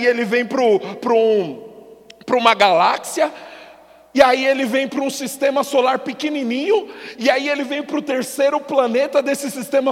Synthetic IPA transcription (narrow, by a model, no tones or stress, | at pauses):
ielɪvẽj̃pɾʊpɾʊ̃ | pɾũmɐɡalaksiɐ | ɪaielɪvẽj̃pɾũsist̪ẽmɐsolaɾpɪkenĩnĩɲʊɪaielɪvẽj̃pɾʊt̪eɾsejɾʊplɐnet̪ɐd̪esɪsist̪ẽmɐ